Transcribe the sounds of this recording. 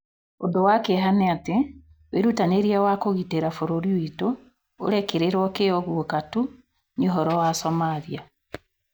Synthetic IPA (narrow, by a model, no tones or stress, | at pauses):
odowakeɦanɛate | weɾutaneɾiawakoɣiteɾafoɾoɾiwito | o̰ɾɛkeɾeɾwɔkeɔɣuokatu | ɲoɦɔɾɔwasɔmaðia